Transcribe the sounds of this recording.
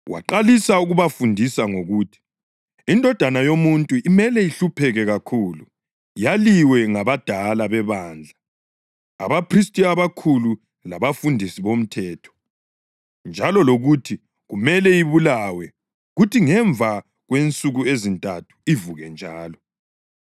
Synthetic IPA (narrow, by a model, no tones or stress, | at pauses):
wa̰ǃalisauɣuβafundʱisaŋoɣuːtʰi̥ | indʱɔd̥ʱanajomuntʼuimɛlɛiɬupʰɛɣɛɣakʰuːlu | jaliwɛŋaβad̥ʱalaβɛβaːnd͡ɮʱa̰ː | βapʰris̬tʼiaβakʰulu | laβafundʱisiβom̩tʰɛːtʰɔ̥ | nd͡ʒʱalɔloɣutʰi | ɣumɛlɛjiβulawɛ | ɣutʰiŋɛɱvʱa | ɣwent͡sʼuɣuezintʼatʰu̥ivuɣɛnd͡ʒʱaːlɔ